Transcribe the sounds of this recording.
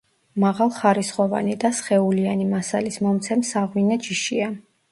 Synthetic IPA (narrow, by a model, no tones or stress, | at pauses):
maʁalˠχaɾisχɔva̰nid̪asχɛulianimasa̰lismɔmt̪sʰɛmsaʁwinat͡ʃʰiʃia